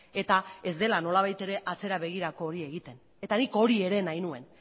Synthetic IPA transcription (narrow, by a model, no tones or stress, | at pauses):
e̞t̪ae̞zd̪e̞lano̞laβ̞ajt̪e̞ɾe̞ʔat͡se̞ɾaβe̞ɣ̞iɾako̞ːɾie̞ɣit̪e̞n | e̞t̪aniko̞ɾie̞ɾe̞najnue̞n